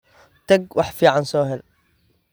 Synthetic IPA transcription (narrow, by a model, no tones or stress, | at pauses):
t̪ʰɐɡwɑħfiːʕɑnsɔːɦɛl